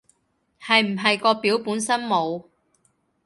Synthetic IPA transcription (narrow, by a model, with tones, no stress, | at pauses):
hɐ˨jm̩˨˩ɦɐ˨jkɔː˧piː˨˥wpuː˨˥nsɐ˥nmo˨˧w